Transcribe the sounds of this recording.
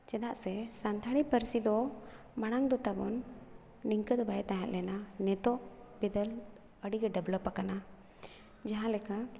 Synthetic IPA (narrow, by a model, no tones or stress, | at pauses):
t͡ʃɛd̪aʔsɛsant̪ʰaɽipəɾsid̪ɔ | maɽ̃aŋd̪ɔt̪abɔn | niŋkəd̪ɔbajɛt̪aɦɛ̃t̪̚lɛnanɛt̪ɔʔbid̪əl | əɽiɡɛɖɛblɔpakana | d͡ʒaɦãlɛka